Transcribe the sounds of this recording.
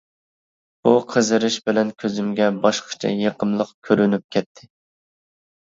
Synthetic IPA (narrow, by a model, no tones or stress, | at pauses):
b̥uqʰəzɨɾɨʃbɪlɛnkʲʰøzymɡʲɛbɑʃqʰə̥t͡ʃʰɛ̰jeqʰəmlˠəqkʲʰøɾynyp̚kʲʰɛt̪ʰːɪ